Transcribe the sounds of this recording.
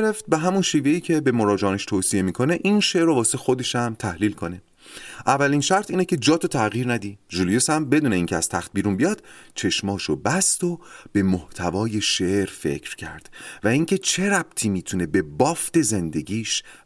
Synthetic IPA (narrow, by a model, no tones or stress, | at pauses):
eɾeft̪̚beɦæmunʃiːve̞iːcʰe̞bemoɾɒːd͡ʒeːneʃt̪ʰoːsie̞miːkʰo̞ne̞ʔinʃe̞ʔɾovɒːseexo̞d̪e̞ʃæmt̪ʰæhliːlkʰo̞ne̞ | ʔævːælinʃæɾt̪ʰiːnecʰe̞d͡ʒɒːt̪ʰot̪ʰæɣiːɾnæd̪iʒulijusæmbe̞d̪uːne̞iːŋcʰeæz̥t̪ʰæxt̪̚biːɾunbijɒːd̪̥t͡ʃʰe̞ʃmɒːʃobæst̪o̞b̥e̞moht̪ʰævɒːje̞ʃeʔɾfe̞̰cʰɾ̥cʰæ̰ɾd̪̥væiːŋcʰe̞t͡ʃʰe̞ɾæb̚t̪ʰiːmiːt̪ʰune̞be̞bɒːft̪e̞ze̞nd̪e̞ɟiːʃ